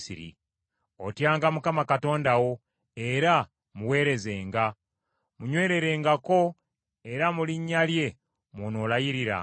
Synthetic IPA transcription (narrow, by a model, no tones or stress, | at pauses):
siɾḭ | o̞̰tjaːŋɡamukamakato̞ːndawo̞ | e̞ɾa | muwe̞ːɾe̞ze̞ːŋɡa | muɲwe̞ːɾe̞ɾe̞ːŋɡako̞ | e̞ɾamuliɲːalje̞ | monolajiɾiɾa̰